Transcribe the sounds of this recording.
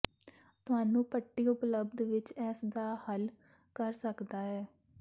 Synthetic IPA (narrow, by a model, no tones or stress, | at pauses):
t̪ʊɦaːnũːpəʈːiːʊpləbd̪ʋɪt͡ʃɛːsd̪aːhəl | kəɾsəkd̪aːɦɛː